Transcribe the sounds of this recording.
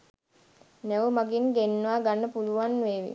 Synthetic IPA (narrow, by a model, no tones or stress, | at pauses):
næʋəmaɡiŋɡenːəʋaːɡanːəpuluʋanʋeːʋḭ